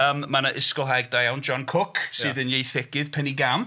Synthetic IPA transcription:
əːmːanəʔɪskɔlˠɦajɡ̚dajawnd͡ʒɔnkʰʊkʰssɨːðənjejθɪkɪð̥pʰɛniɡam

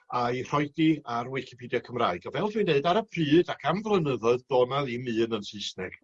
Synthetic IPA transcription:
air̥ɔɨdiarwɪkʰipʰidjakʰəmra̰ːɨɡɔvɛlˠdinːeɨdaɾəpʰrɨːdakʰamvlˠənəðɔðd̥ɔːnaðimɨːnənsɨsnɛ̰ɡ̥

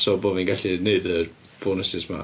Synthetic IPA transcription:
sɔboːvinɡaɬineɨðər | b̥oːnəsɪsma̰

